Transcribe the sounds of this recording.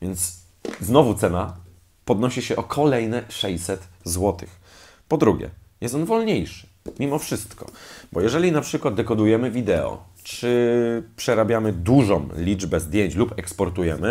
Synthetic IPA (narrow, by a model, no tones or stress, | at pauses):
vʲjɛnt̪s | znɔvut̪sɛna | pɔd̪nɔɕiɕɛʔɔkʰɔlɛjnɛʂɛɕsɛt̪zwɔt̪ɘx | pɔd̪ɾuɡʲjɛ̰jɛst̪ɔnvɔlɲejʂɘ̥ | mʲimɔfʂɘst̪kɔ̰bɔjɛʐɛlʲinapʂɘkwad̪̚d̪ɛkɔd̪ujɛmɘvʲid̪ɛɔ̰ | t͡ʂɘpʂɛɾabʲjamɘd̪uʐɔ̃mlʲid͡ʐbɛzd̪ʲjeɲt͡ɕlupɛkspɔɾt̪ujɛmɘ